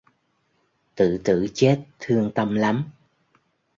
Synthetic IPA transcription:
t̪ɨ̰˧˨t̪ɨ̰˧˨t͡ɕe˦˥t̚t̪ʰɨ˧əŋt̪ə˧mla˨˦m

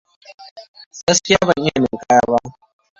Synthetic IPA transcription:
ɡɐ˦skʲɪ˦jaː˦bɐ˨ŋʔɪ˦ja˨meː˨ka˦ja˦ba˦

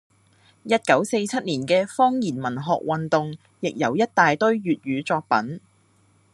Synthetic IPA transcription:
jɐ˥t̚kɐ˨˥wse˧jt͡sʰɐ˥t̚niː˨˩nkɛː˧fɔː˥ŋjiː˨˩nmɐ˨˩nɦɔ̰ː˨k̚wɐ˨nt̪ʊ˨ŋ | jɪ˨k̚jɐ̰˨˩wjɐ˥t̚t̪aː˨jt̪ɵ˥ɥɥyː˨t̚jyː˨˧t͡sɔː˧k̚pɐ˨˥n

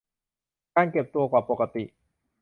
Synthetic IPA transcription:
kaː˧nke˨˩p̚t̪u˧əkwaː˨˩po˨˩ka˧t̪i˨˩ʔ

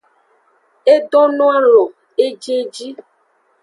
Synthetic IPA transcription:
e˦ɖɔ˦nɔ̃˦a˦lɔ˨ | e˦d͡ʒe˦d͡ʒi˦

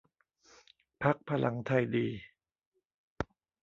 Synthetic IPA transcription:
pʰa˦˥k̚pʰa˧lʔa˩˦ŋt̪ʰa˧˩jdiː˧

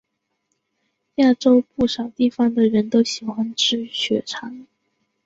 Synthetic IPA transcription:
ja˥˩ʈ͡ʂo˥ʊpu˥˩ʂɑ˨˩ʊt̪i˥˩fɑ˧˥ŋd̪ə˨ɻə˧˥nt̪o˥ʊɕi˨˩xwa˥nʈ͡ʂɻ̩˥˩ɕɥɛ˧˥ʈ͡ʂʰɑ˧˥ŋ

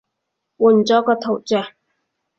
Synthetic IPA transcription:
wuː˨˩nt͡sɔː˨˥kɔː˧t̪ʰo˨˩wt͡sœː˨

